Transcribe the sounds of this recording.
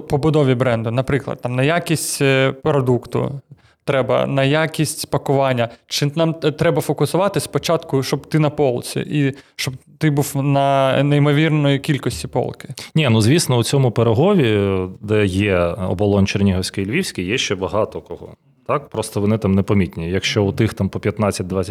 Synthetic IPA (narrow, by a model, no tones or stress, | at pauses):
pɔbʊd̪ɔʋʲibɾɛnd̪ʊnɐpɾɪklˠɐ̰d̪t̪ːɑmnɐjakʲisʲtʲpɾɔd̪ukt̪ʊ̰ | t̪ɾɛbɐ̰nɐjakʲisʲtʲpɐkʊʋɑnʲːɐt͡ʃɪnɑmt̪ɾɛbɐfɔkʊsʊʋɑt̪ɪspɔt͡ʃɑt̪kʊʃɔbt̪ɪnɐpɔlˠt͡sʲḭʔiʃt͡ʃɔbt̪ɪbuwnɐnɐimɔʋʲirnɔjikʲilʲkɔsʲtʲipɔ̰lˠkɪ̥nʲinuzʲʋʲisnɔʊt͡sʲɔmʊpeɾɐɦɔʋʲid̪ɛjɛɔ̰bɔlˠɔnt͡ʃɛrnʲiɦɔsʲkɐjlʲʋʲiwsʲkʲijɛʃt͡ʃɛbɐɦɑt̪ɔkɔɦɔ̰ | t̪ɑk̚pɾɔst̪ɔʋɔnɪt̪amnɛpɐmʲit̪ʲnʲijɐkʃt͡ʃɔʊt̪ɪxt̪ampɔpʲjɐt̪nɑt͡sʲːɐt̚ʲd̪ʋat͡sʲː